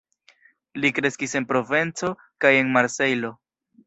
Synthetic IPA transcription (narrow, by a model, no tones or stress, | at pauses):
likɾe̞skise̞npɾo̞ve̞nt͡so̞ | kaje̞nmaɾse̞jlo̞